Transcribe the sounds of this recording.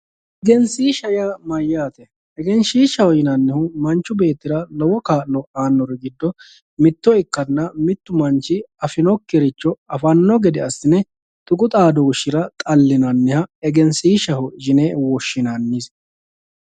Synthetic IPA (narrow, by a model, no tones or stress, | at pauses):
ʔɛɡɛnsiːʃɐjamɐjːaːt̪ɛ | ɛɡɛnʃiːʃɐhɔjɪnɐnːɪhʊmɐnt͡ʃːʊbe̞ːt̪ːɪɾɐlɔwɔkaːlɔʔaːnːɔɾɛɡɪd̪ːɔ | mɪt̪ːɔɪkːɐnːɐmɪt̪ːʊmɐnt͡ʃːɪɐfɪnɔkːɪɾɪt͡ʃːɔɐfɐnːɔɡɛd̪ɛɐsːɪnɛ | t̪ʼʊkʼʊt̪ʼaːd̪ɔʊʃɪɾɐt̪ʼɐlːɪnɐnːɪhɐɛɡɛnsiːʃɐhʊd͡ʒɪneːwɔʃːɪnɐnːɪs